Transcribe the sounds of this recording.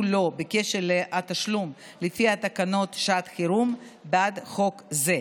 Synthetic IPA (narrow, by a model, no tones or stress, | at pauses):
lo̞beke̞ʃeʁleʔat̪aʃlum | lefihat̪akano̞t̪ʃat̪χiɾumbad̪χo̞kze